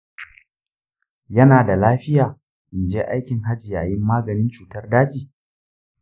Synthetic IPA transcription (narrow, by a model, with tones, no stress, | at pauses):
jɐ˦naː˨da˨laː˦ɸɪ˦jaː˨ | ʔɪ˨nd͡ʒeː˦ʔa˦jkʲɪ˨ŋɦa˦d͡ʒɪ˨ja̰˨jɪ˦mːaː˦ɡɐ˨nɪ˦nt͡ʃuː˨tɐ˦rdaː˦d͡ʒiː˨